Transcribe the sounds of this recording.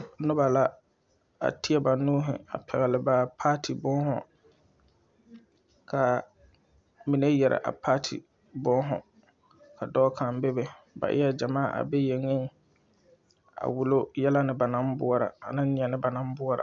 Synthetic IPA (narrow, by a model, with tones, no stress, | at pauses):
nʊ˦ba˨la˦ | a̰˨tɪ˦ɛ˦ba˨nuː˦ɦɪ̰˨a̰˨pʰɛ˨ɣɛ˨lɪ˨ba˦pʰaː˦tʰi˨bʊ˦ɦʊ̰˨ | kʰa˨ | mi˨ne˦jɛ˨ɾɪ̰˨ʔa̰˨pʰaː˦tʰḭ˨ | bɔ˦ɦʊ̰˨ | kʰa˨dɔː˦kʰa˦mbe˦be˦ | ba̰˨ʔɪ̰˦ɛ˦d͡ʒa˨maː˦˨ʔa̰˨bɛ˦jɛ˨ŋɪ˦ŋ | a̰˨wu˨lo˦jɛ˦la˦nɪ˦ba˨nã˦mbʊ˦ɔ˦ɾa̰˨a˨nã˦n˦nɪ˨ɛ˨nɪ˦ba˨nã˦m˦bʊ˦ɔ˦ɾa̰˨